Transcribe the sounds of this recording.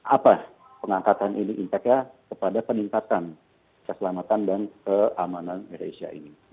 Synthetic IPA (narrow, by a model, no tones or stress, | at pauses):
ʔapa | pəŋaŋkat̪anʔiniʔint̪akɲakəpadapəniŋkat̪an | kəsəlamat̪andankəamananeɾḛsia̰ʔḭni